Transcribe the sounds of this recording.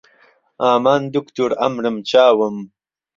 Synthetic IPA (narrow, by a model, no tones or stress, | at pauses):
aːmaːnd̪ukt̪uɾɐ̰mɾəmt͡ɕaːwɐm